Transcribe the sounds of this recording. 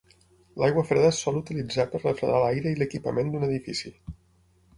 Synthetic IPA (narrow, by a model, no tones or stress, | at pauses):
lajɣwəfɾeðəsɔlˠut̪ilid͡zapərrəfɾə̰nalajɾəiləkipə̰mend̪unəðifisi